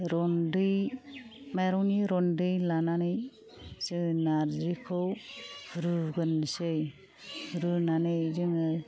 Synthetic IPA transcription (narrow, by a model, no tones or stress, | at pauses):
ɾɔndɯj | majɾɔwniɾɔndɯjlananɯj | z̥ɯŋnaɾzikʰɔwhɾɯɡɯnsɯj | hɯɾɯnanɯjzɯŋɯ